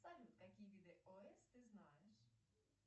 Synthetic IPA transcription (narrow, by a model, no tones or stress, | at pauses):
sɐlʲut̪̚kɐkʲijʋʲid̪ɛʔɔɛsʲt̪ɪznɑjɛʃ